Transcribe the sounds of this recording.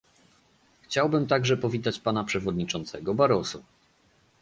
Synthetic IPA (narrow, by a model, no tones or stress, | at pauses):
xt͡ɕawbɘmt̪aɡʐɛpɔvʲit̪at͡ɕpanapʂɛvɔd̪ɲit͡ʂɔnt̪sɛɡɔbaɾɔsu